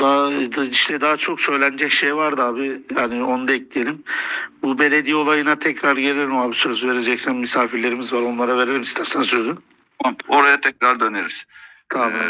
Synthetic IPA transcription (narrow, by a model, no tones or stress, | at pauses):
d̪aiʃt̪ʰɛd̪aɦat͡ʃʰo̞ksø̞jlʲænd͡ʒɛcʃejvaɾd̪aːbijaːnio̞nud̪aɛclʲije̞lʲimbube̞lʲe̞d̪iio̞lˠajɯnat̪ʰɛcɾaɾɟe̞lʲelʲimaːbisø̞zve̞ɾe̞d͡ʒɛcsænmisaːfiɾlʲe̞ɾimizvaɾo̞nlˠaɾave̞ɾelʲimist̪ʰæɾsænsø̞zy | ao̞ɾajat̪ʰɛcɾaɾd̪øneɾiz̥ | t̪ʰabam